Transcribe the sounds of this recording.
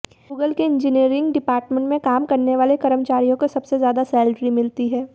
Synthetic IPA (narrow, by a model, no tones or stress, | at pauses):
ɡuːɡəlkeɪ̃ɲd͡ʒɪniːɾɪ̃ŋɡɖɪpaːɾʈmẽɳʈmẽkaːmkɐɾneʋaːlekɐɾəmt͡ʃaːɾijõkosɐbsezjaːd̪asɛːlɖɾimɪlt̪iɦɛː